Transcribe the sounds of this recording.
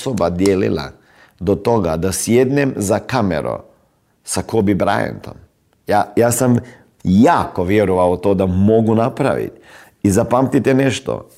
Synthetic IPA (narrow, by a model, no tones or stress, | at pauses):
sobad̪jeːlḭlˠa̰ | d̪ot̪o̞ɡad̪asjed̪nemzakamḛɾo̰ | sakobibɾa̰jḛnt̪o̰m | jajaːsam | jaːkoʋjeɾɔʋaot̪od̪amo̞ɡunapɾa̰ʋḭt̪ | izapamt̪it̪ɛneʃt̪o̰